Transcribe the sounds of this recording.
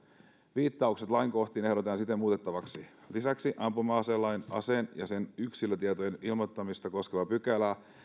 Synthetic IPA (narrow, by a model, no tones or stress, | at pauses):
ʋiːt̪ːɑukset̪lɑiŋko̞ht̪iːne̞hɾot̪ɑnsit̪ːˑemuːt̪e̞t̪ːɑʋɑksi | lisæksiʔɑmpumɑːselːɑinɑsenjɑse̞nyksilːøt̪iet̪ojenilmot̪ːɑmist̪ɑko̞skeʋɑpykælæ